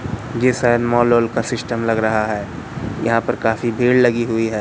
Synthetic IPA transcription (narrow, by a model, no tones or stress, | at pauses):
d͡ʒeːsanmɔːloːlkasɪsʈəmlɐɡɾɐɦaɦɛː | jɐɦãpɐɾkaːfibʱeːɽlɐɡiɦʊiɦɛː